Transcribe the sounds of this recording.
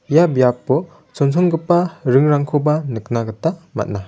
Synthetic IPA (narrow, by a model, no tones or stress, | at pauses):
jabjapːɔ | sɔnsʰɔŋɡɯpːaɾɯŋɾaŋkʰobanɯk̚naɡɯtama̰t̚na